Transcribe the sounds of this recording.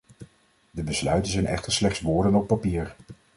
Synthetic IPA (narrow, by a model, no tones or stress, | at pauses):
dəbəslœɥtənzɛjnɛ̰χtəɹslɛχtsʋʊːɹdənɔpːapiːɹ